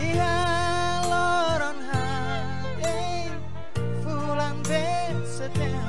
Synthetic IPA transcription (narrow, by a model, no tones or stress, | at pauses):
iɦa | lɔɾɔnɦa | ke | fu | laŋbe | tsət̪ɛ